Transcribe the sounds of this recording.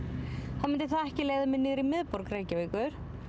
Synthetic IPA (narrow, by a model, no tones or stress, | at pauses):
θawmɪnt̪ɪɾ̥θaðɛhcɪleːjðʏmɛɪðnɪːɣɾɪmɪðpɔɾkɾeːjcaviːkʏɾ̥